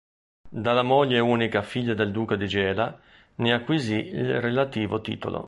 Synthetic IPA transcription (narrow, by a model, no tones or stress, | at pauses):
d̪alamoʎːeuːnikafiʎːad̪eld̪uːkad̪id͡ʒɛːla | neakːwiziilrelat̪iːvot̪ḭːt̪o̰lo̰